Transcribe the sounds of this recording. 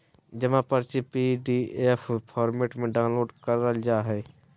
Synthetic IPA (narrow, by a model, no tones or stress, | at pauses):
d͡ʒɐmãpəɾt͡ʃipiɖiːeːpʰpʰɔːɾmeːʈmẽɖaːʊnloːɖkəɾəld͡ʒaːɦɛː